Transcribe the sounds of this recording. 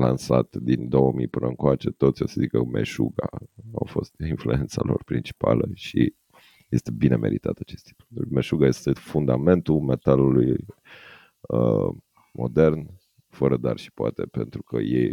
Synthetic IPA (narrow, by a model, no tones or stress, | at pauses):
lansat̪d̪ind̪o̞wəmijpɨnʔəɨŋkoat͡ʃe̞t̪o̞t̪sʲjo̞səzikəme̞̰ʃuɡaawfo̞st̪influe̞nt̪salo̞̰rpɾint͡ʃi̥paləʃi | je̞st̪e̞bine̞mʔeɾit̪at̪at͡ʃe̞st̪ik̪meʃuɡaje̞st̪efund̪ame̞nt̪ume̞t̪aluluj | ə | mʔo̞̰d̪e̞rn | fəɾəd̪arʃi̥poat̪epent̪ɾukʰəjej